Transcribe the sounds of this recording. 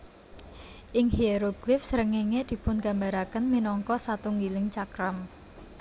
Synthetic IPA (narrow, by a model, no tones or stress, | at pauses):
ʔɪŋheɾoɡ̥lɪfsəɾəŋeŋed̪̥i̤pʊnɡa̤mbaɾakənminɔŋkɔsat̪uŋɡilɪŋt͡ʃakɾam